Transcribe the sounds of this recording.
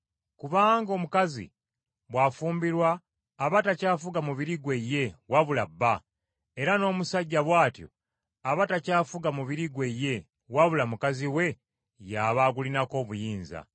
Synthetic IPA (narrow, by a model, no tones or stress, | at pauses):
kuβaːŋɡo̞ːmukazḭ | βwaːfuːmbiɾwaː | βatacaːfuɡamuβiɾiɡwe̞je̞waβulabːa | e̞ɾano̞ːmusaɟːaβwaːtjo̰ | aβatacaːfuɡamuβiɾiɡwe̞je̞ | waβulamukaziwe̞ | jaβaɡulinako̞ːβujiːnza̰